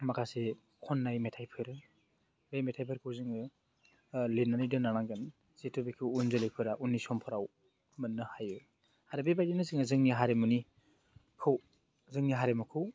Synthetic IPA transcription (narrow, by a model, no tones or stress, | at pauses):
makʰase | kʰɔnːajmetʰajpʰɯɾ | bejmetʰajpʰeɾkʰɯwzɯŋɯ | linːanidɯnaɾaŋɡɯn | z̥etʰubekʰɯwunzɯlepʰɯɾaʔunːisɔmpʰɔɾaw | mɯnːɯhajɯ | haɾebebajdinɯzɯŋɯzɯŋniɦaɾemuni | kʰɯw | zɯŋniɦaɾemɔkʰɯw